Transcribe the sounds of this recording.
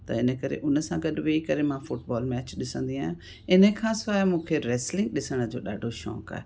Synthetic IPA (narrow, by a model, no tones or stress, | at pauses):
t̪ɐ̰ɪnəkəɾḛʔʊnəsãːɡəɗʋeikəɾemãfʰʊʈ̚bɔːlmɛːt͡ɕɗɪsə̃nd̪iaːjã | ɪnəkʰãːsaːmũːkʰeɾɛːslɪ̃ŋɡɗɪsəɽ̃əd͡ʒoːɗaːɖʱoʃɔ̰ːka̰ːɛ